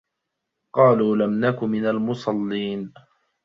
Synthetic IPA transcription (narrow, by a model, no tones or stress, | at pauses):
qɑːluːlamnakʊmɪnalmʊsˤɑlːiːn